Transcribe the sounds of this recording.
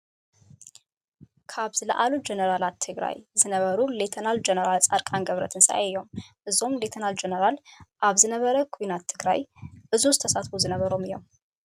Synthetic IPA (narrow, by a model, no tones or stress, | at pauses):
kʰaβzɨlə̰ʔalud͡ʒenəɾalat̪ʰːɨɡɾa̰jzɨnəβəɾule̞t̪ʰənald͡ʒenəɾalt͡sʼaɾkʼanɡəβɾə̰t̪ʰɨnsa̰ʔajomʔɨzomle̞t̪ʰənald͡ʒenəɾalʔaβzɨnəβəɾəkʰuinat̪ʰːɨɡɾa̰jʔɨzuzɨt̪ʰəsat̪fuzɨnəβəɾomijo̰wm